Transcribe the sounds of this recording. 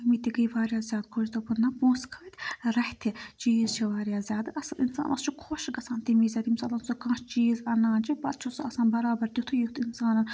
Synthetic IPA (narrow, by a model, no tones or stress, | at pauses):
ɐmit̪ʲikɐjʋaːɾjaːzʲjaːd̪̚kʰoːʃt̪ɐpɨnːapuːskʰaːt̪ʰʲɾɐht̪ʰit͡ʃiːzt͡ʃʰiʋaːɾʲjaːzʲaːd̪ɨʔɐsɐʔinsa̰ːnʔɐ̰st͡ʃʰikʰoːʃɡɐsaːnt̪imiːzʲaːd̪ʲimsaːlɐnsokãːʃt͡ʃiːzɐnãːnt͡ʃʰibɐt̪̚t͡ʃʰusuɐsaːnbɐɾaːbɐɾt̪ʲit̪ʰujit̪insaːnɐn